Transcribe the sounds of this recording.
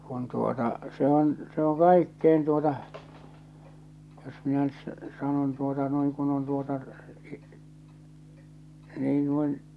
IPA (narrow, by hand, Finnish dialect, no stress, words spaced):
kun tuotɑ se on se o kɑikːein tuotɑ jos minæ nyt s sɑnon tuotɑ noiŋ kun on tuotɑ niː nuin